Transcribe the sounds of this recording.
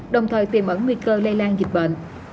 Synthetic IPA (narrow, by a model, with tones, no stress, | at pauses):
ɗə˨˩wŋ͡mt̪ʰəː˨˩jt̪i˨˩mʔə˨˦nŋi˧kəː˧lə˧laː˧nzi˨˩k̟̚ɓə̰ː˧˨n